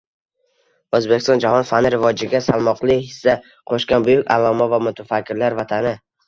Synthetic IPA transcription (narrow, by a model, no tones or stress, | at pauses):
ɵzbe̞kʲɪst̪ɒnd͡ʒahɒnfanɪɾɪvɒd͡ʒɪɡʲasalˠmɒqlˠɪhɪsːa | qʰɒʃkʲanbʊjʊkʲa̰lˠɒmavamʊt̪ʰafakʲːɪɾlaɾvat̪ʰanɪ